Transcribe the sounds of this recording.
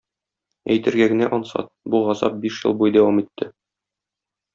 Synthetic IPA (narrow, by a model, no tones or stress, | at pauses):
æjt̪ɘ̆ɾɡæɡɘ̆næʔɒnsɑ̰t̪̚buʁɑzɑp̚biʃjɤ̰̆lˠbujd̪æwɑmit̪ʰːɘ